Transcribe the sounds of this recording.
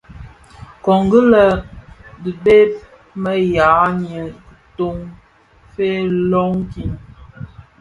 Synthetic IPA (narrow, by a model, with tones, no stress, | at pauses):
kɔ˨ŋɡə˦lə˨bi˨be˦p̚ | mə˦ja˨˦ɲə˨kə˨to˦ŋ | fe˦lɔ˦ŋki˨n